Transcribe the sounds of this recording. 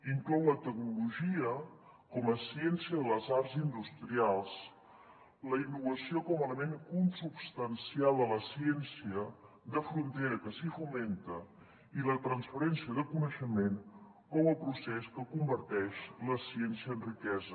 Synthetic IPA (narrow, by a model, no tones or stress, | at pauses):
iŋklɔwlət̪ək̚nuluʒiə | kɔməsiɛnsiəðələzaɾzind̪ust̪ɾialˠs | ləinːuβəsiokɔmələmenkunsupst̪ənsialˠd̪ələsiɛnsiə | d̪əfɾunt̪eɾəkəsifument̪ə | ilət̪ɾənsfəɾɛnsiəðəkunəʃəmen | kɔwəlˠpɾusɛskəkumbəɾt̪ɛʃləsiɛnsiəənrikɛzə